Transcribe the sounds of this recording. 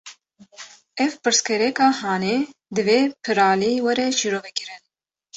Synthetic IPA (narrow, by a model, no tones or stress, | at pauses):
ɛvpɨɾskɛɾɛkɑːhɑːneːd̪ɨveːpʰɨɾɑːliːwɛɾɛʃiːɾoːvɛkɨɾɨn